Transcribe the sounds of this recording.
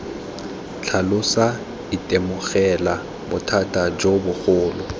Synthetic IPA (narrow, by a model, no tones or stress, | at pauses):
t͡ɬʰalʊsa | ɪtʼemʊɣɛla | bʊtʰatʼad͡ʒobʊk͡xʊːlʊ